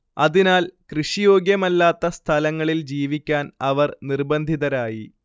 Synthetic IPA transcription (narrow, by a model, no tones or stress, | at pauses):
ɐðinaːlkrɨʂijo̞ːɡjɐmɐlːaːt̪ːɐst̪ʰɐlɐŋːɐɭild͡ʑiːʋikʲːaːnɐʋɐrnirbɐnd̪ʱiðɐɾaːji